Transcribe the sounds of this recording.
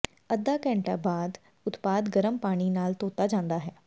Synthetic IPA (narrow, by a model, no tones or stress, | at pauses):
əd̪ːaːkɛ̃ːɳʈaːbaːd̪ | ʊt̪paːd̪ɡəɾəmpaːɽ̃iːnaːlt̪oːt̪aːd͡ʒãːnd̪aːɦɛː